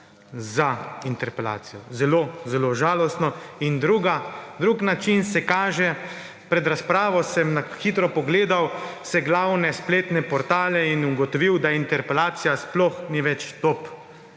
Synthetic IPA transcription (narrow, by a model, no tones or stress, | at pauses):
zaint̪ɛɾpɛla̰ːt̪sijɔzɛloːzɛloʒaːlɔst̪nɔind̪ɾuːɡad̪ɾuːknat͡ʃinsɛkaːʒɛ | pɾɛd̪ɾaspɾaːʋɔsɛmnaxit̪ɾɔpɔɡleːd̪awsɛɡlawnɛspleːt̪nɛpɔɾt̪aːlɛinuɡɔt̪ɔʋiwd̪aint̪ɛɾpɛlaːt̪sijasplɔxniʋɛt͡ʃt̪op